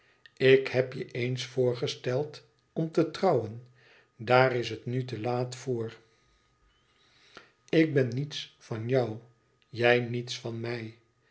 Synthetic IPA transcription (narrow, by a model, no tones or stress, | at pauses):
ɪkhɛpjəʔejnsfʊːɹχəstɛlˠt | ɔmtətrɑwən | daːrɪsɦətnytəlaːtfʊːɹ | ɪk̚bɛnːitsfɑnjɑw | jɛjnitsfɑnmɛj